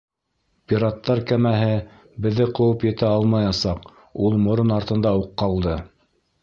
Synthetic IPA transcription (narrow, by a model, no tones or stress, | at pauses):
pʲiɾat̪ːɑɾkæmæɦɘ | bɘ̆ðːɘqɤ̆wɤpjɘ̆t̪æɑlˠmɑjɑsɑq | ulˠmŏɾonɑɾt̪ɤ̆nd̪ɑuqːɑlˠd̪ɤ